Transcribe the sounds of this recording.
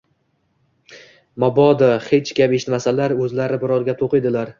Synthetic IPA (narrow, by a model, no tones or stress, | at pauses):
mɒbɒd̪ɪχet͡ʃkʲapeʃɪt̪masalaɾɵzlaɾɪbɪɾɒɾɡʲat̪ʰoqɨd̪ɪlaɾ